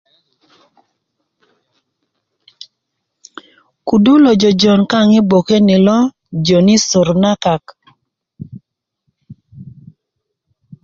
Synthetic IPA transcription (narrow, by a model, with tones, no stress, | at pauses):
ku˨du˦lɔ˨d͡ʒɔ˨d͡ʒɔ˨nka˦˨ŋɪ˦bo˨ke˦nɪ˨lɔ˦ | d͡ʒo˨nɪ˦sʊ˨ɾna˦ka˨k